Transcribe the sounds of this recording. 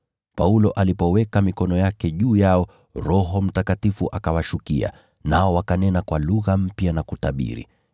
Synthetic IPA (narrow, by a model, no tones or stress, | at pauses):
paulɔʔalipɔwɛkamikɔnɔjakɛʄuːjaɔ | ɾɔɦɔm̩takatifuʔakawaʃukia̰ | naɔwakanɛnakwaluɣam̩pjanakutaɓḭɾḭ